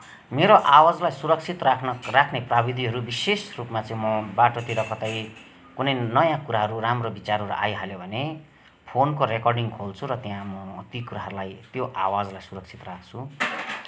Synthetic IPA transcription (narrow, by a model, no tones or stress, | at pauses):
meɾoʔawad͡zlajsuɾʌk̚t͡sʰit̪rakʰnʌrakʰneprabid̪ʱiɦʌɾubisesrupmat͡sʌĩmʌbaʈot̪iɾʌkʌt̪ʌj | kunʌjnʌjãkuɾaɦʌɾuramrobit͡saɾʌɾṵʔa̰jɦaljobʱʌne | pʰonkoɾekʌrɖiŋkʰolt͡sʰuɾʌt̪jãmʌt̪ikuɾaɦʌɾulajt̪joʔawad͡zlajsuɾʌk̚t͡sʰi̥t̪rakʰt͡sʰu